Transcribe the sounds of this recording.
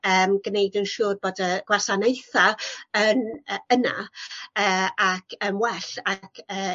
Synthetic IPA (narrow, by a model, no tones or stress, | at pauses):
əːmɡnejdənʃuːrboːdəɡ̥wasanejθaənəəna̰əːakʰəmwɛɬakʰəː